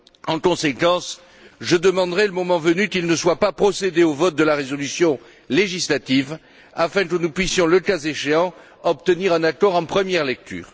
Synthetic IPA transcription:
ɑ̃kɔ̃sekɑ̃s | ʒəd̪əmɑ̃d̪ʁɛləmɔmɑ̃vənykilnəswapapχɔsed̪eovɔt̪̚d̪əlaʁezɔlysjɔ̃ | leʒislat̪iv | afɛ̃k̬ənupɥisjɔ̃ləkazeʃeɑ̃ | ɔp̚t̪əniʁɛ̃nakɔʁɑ̃pχəmjɛʁlɛk̚t̪y̰ːʁ

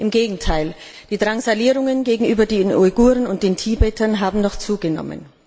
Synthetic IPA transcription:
ʔɪmɡeːɡŋ̩tʰaɪl | d̥iːdʁaŋzaliːʁʊŋənɡeːɡŋ̩ʔyːbɐdeːnʔɔɡuːʁənʊnt̚d̥eːntʰiːbɛːtɐnɦaːbm̩nɔχt͡suːɡənɔ̰mə̰n

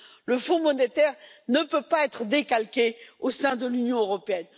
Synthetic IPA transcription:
ləfɔ̃mɔnet̪ɛʁnəpøpaɛt̪χəd̪ekalkʲeosɛ̃d̪əlynjɔ̃øʁɔpeɛn

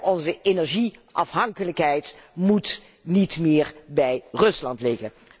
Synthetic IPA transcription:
ɔnzəʔenɛɹʒiʔɑfɦɑŋkələkɦɛjtmut | nitmɪːɹbɛjrɵslɑntlɪɣən

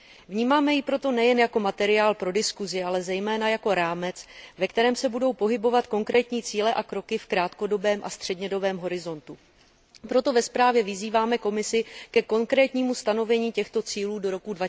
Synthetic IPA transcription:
vɲiːmaːmɛjɪpɾo̞t̪o̞nɛjɛnjako̞mat̪ɛɾɪaːlpɾo̞dɪskuzɪʔalɛzɛjmɛːnajako̞ɾaːmɛt͡svɛkt̪ɛɾɛːmsɛbudo̞wpo̞ɦɪbo̞vat̪ko̞ŋkɾɛːt̪ɲiːt͡siːlɛʔakɾo̞kɪfkɾaːt̪ko̞do̞bɛːmʔa̰st̪r̝̥ɛdɲɛdo̞bɛːmɦo̞ɾɪzo̞nt̪u | pɾo̞t̪o̞vɛspɾaːvjɛvɪziːvaːmɛko̞mɪsɪkɛko̞ŋkɾɛːt̪ɲiːmust̪ano̞vɛɲiːcɛxt̪o̞t͡siːluːdo̞ɾo̞kudva

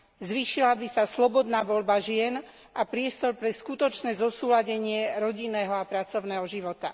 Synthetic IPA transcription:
zʋiːʃilabisaslɔbɔd̪naːʋɔʎbaʒɪɛn | ʔapɾɪɛst̪ɔɾpɾɛskut̪ɔt͡ʃnɛːzɔsuːlaɟɛɲɪɛɾɔɟinːɛːɦɔapɾat͡sɔʊnɛːɦɔʒiʋɔt̪a̰

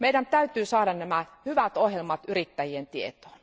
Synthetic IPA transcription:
mejdænt̪æyt̪yːsɑːɾɑnnæmæhyʋæt̪ohjelmɑt̪yrit̪ːæjient̪iet̪o̥ːn

